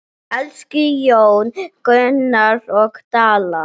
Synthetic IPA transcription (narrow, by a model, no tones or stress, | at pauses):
ɛlskɪjownkœnaɾɔkt̪aːla